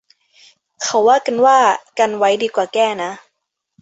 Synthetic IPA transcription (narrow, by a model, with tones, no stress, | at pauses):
kʰa˧˩wːaː˥˩ka˧˨nwaː˥˩ka˧nwa˦˥jdiː˧kwaː˨˩kɛː˥˩na˦˥